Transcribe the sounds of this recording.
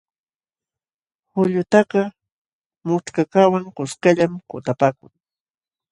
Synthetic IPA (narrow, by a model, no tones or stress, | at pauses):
hʊʎʊt̪aɢɑ | mʊt͡ʃkakawaŋkʊskaʎamkʊt̪apaːkʊŋ